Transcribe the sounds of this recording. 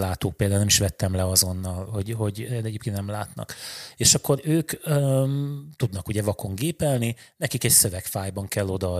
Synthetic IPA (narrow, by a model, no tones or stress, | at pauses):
laːt̪oːk̚peːld̪aːlnɛmiʃʋɛt̪ːɛmlɛɒzo̞nːɒlho̞ɟɦo̞ɟɛd̪ɛɟeːpkennɛmlaːt̪nɒ̰keːʃɒkːo̞ɾøːkø | t̪ud̪nɒkuɟɛvɒkʰo̞ŋɡeːpɛlninɛkikɛcsø̞vɛkfaːjbɒŋkɛlːo̞d̪ɒ